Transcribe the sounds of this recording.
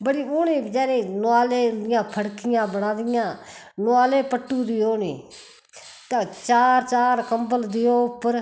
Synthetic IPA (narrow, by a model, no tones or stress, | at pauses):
bəɽiːʊːnĩːd͡ʒɛːnẽːnʊaːleːd̪ɪjãːpʰəɽkɪjãːbənãːd̪ɪjãː | nʊaːleːpəʈːuːd̪iːoːnḭː | t̪aːt͡ʃaːɾt͡ʃaːɾkəmbəld̪ɪjoːʊpːəɾ